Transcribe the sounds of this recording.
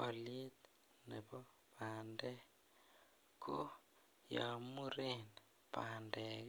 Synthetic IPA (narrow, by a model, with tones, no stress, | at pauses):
ɔ˨lje˦t̪ | ne˨bɔ˦ | pʰa˨ndɛ˦ | kʰo˦ | ja˨mu˦ɾe˦n | pandɛ˨k